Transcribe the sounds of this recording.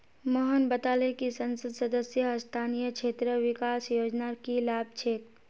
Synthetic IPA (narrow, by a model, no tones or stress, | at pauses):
məɦənbət̪aːlekisə̃nsəd̪səd̪əsjəst̪ʰaːnijəkʃʰeːt̪ɾəʋɪkaːsjoːd͡ʒnakilaːb̚t͡ʃʰeːk